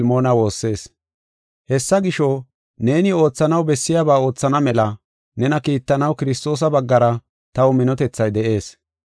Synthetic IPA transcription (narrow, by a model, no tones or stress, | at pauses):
lmo̞ːnɐwo̞ːsːe̞ːs | hɛsːɐɡɪʃɔ | ne̞ːnɪo̞ːt͡sːɐnɐwbɛsːɪjaːbaːo̞ːt͡sːɐnɐmɛlɐ | nɛnɐkiːt̪ːɐnɐwkɪɾɪst̪o̞ːs̬ɐbɐɡːɐɾɐ | t̪ɐwʊmɪnɔt̪ɛt͡sːɐjd̪ɛʔe̞ːs